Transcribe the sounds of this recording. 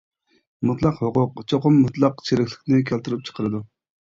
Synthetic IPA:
mut̪lˠɑqhoqʊqt͡ʃʰoqʊmːut̪lˠɑqt͡ʃʰeɾɪkʲlɪ̥kʲnɪkʲʰælt̪yɾɪp̚t͡ʃʰə̥qʰəɾɨd̪u

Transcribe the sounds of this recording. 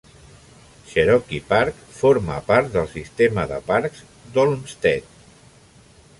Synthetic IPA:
ʃəɾɔkipaɾk | foɾməpaɾt̪̚d̪əlˠsist̪eməðə̰paɾkz̥ | d̪olmst̪ɛt̪

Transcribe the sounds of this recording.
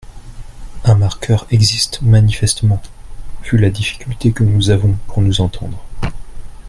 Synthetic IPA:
ãmaʁkʲʰœʁɛɡzist̪manifɛst̪əmɑ̃v̥ylad̪ifi̥kʲylt̪ekənuzavɔ̃puʁnuzɑ̃t̪ʰɑ̰̃d̪ʁə

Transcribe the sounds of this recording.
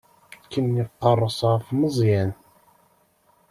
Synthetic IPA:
kːənːiqːɑrˤːəsˤʁəfməzˤjæn

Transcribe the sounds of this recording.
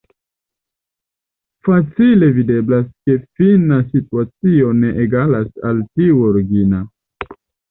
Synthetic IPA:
fat͡sile̞vide̞blaske̞finasituat͡sio̞ne̞ʔeɡalasa̰ltiuoɾiɡina

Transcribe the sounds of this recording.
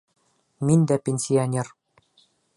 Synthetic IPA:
mind̪æpʲenʲsʲionʲer

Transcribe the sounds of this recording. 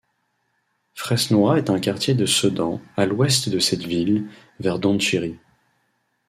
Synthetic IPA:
fχɛsnwɔaɛt̪ɛ̃kaʁt̪jed̪əsəd̪ɑ̃alwɛst̪d̪əsɛt̪vil | vɛʁd̪ɑ̃t̪iʁi

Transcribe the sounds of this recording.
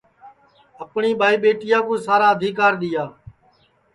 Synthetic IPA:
əpɳiːɓʱaːiːɓeːʈɪjãːkũːsaːɾaːəd̪ʱiːkaːɾɗ̪ɪjaː

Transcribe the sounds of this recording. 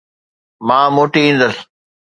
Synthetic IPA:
mãːmoːʈiĩːnd̪əs

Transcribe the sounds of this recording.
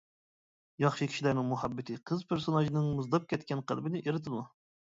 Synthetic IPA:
jɑχʃɨkʲʰi̥ʃilæɾnɪŋmuɦɑbːɪt̪ʰɨqʰəzpʰeɾsonɑʒinɨŋmɨzd̪ɑp̚kʲɛt̪kʲɛnqʰə̰lˠbɪnɪʔeɾɨt̪ʰɨmu

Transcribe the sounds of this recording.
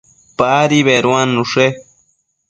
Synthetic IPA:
paɾiβeɾwanːuʂe

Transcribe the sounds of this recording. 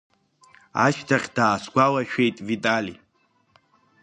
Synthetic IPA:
a̰ʃtʰaχʲd̥aːsɡʷalaʃᶣejtʼvitʼalḭ

